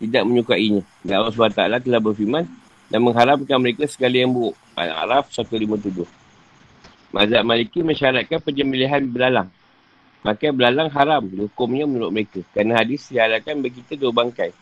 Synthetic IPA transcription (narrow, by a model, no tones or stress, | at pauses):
t̪idak̚məɲukaʔiɲã | ɡaʔlas̬bat̪alat̪əlahbərfimãn | danməŋɦaɾamkanməɾekəsə̥ɡalijaŋbuʔ | a̰a̰ɾafsat̪ulimət̪̬ud͡ʒʊh | mʔa̰zaʔ̪̚malikiməɲʃaɾat̪̚kanpəɲd͡ʒəmiliɦanbəlalaŋ | makajbəlalaŋɦaɾamdihukʊmɲəmənuɾʊʔ̚məɾekəkɾanaɦadɪsdialakanbaik̬it̪ədaubaŋkaj